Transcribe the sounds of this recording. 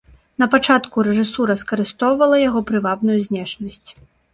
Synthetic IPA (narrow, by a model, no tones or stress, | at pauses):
n̪ɐpat͡ʂat̪kuɾɛʐɨsuɾɐskɐɾɨst̪ɔwvɐlˠɐjaɣɔpɾɨvabnujuzʲnʲɛʂnɐsʲt͡sʲ